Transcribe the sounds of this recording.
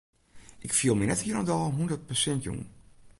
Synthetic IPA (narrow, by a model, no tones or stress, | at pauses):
ʔɪkfiəlˠməjnɛthiənədɔlˠɦundət̚pəsɛntjṵŋ